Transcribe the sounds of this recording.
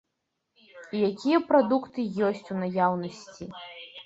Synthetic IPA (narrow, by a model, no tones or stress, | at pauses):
ijakʲijɐpɾad̪ukt̪ɨjɔsʲt͡sʲunajawnɐsʲt͡sʲi